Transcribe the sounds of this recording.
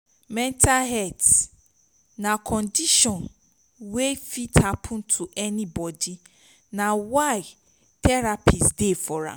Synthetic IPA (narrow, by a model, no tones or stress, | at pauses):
mɛ̃ntʰalɦɛds | nãkʰɔ̃ndiʃɔ̃n | wefitʰapʰʊ̃n̩tʰuʔɛnĩbɔdi | nãwaɪ | tʰɛɾapʰisdefɔɹa̰